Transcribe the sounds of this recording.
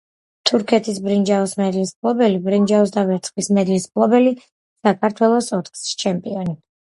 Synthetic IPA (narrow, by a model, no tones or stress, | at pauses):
t̪ʰuɾkʰɛt̪ʰisbɾind͡ʒaɔsmɛd̪ilispʰlˠɔbɛlibɾind͡ʒaɔsd̪avɛɾt̪sʰχwismɛd̪ilispʰlˠɔbɛli | sakʰaɾt̪ʰwɛlˠɔsɔt̪χsi̥t͡ʃʰɛmpʼiɔni